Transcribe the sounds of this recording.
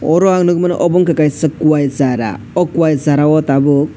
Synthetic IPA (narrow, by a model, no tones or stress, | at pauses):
ɔɾɔaŋnɯɡɯman̰ʔɔbɔŋkakajsɯkuwajzaɾa̰ | ɔkuwajzaɾawɔtabuk̚